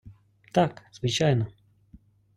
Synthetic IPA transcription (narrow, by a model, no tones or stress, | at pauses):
t̪aksvɨt͡ɕajnə